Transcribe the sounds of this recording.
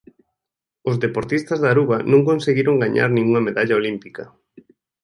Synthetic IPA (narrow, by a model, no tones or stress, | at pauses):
ʊzðepoɾt̪ist̪ɐzðaɾuβanõŋkonseɣiɾoŋɡaɲa̰ɾnĩŋuŋɐmeðaʎaolimpikɐ